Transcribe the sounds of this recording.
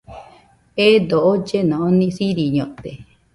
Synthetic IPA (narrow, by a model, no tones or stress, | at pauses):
ed̪oʔod͡ʒenãʔõnĩsiɾiɲõt̪e